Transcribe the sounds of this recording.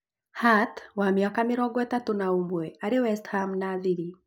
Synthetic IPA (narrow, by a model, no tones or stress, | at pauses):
hatwamɪakamɪɾɔɡwɛtatonaumbwɛaɾewɛsthamnaːðiɾi